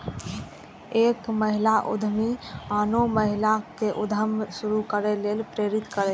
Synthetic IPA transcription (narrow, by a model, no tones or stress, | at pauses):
ekməɦilaʔṵd̪ʱmianoməɦilakeʔud̪ʱəmsuɾukəɾelelpɾeɾit̪kəɾɛ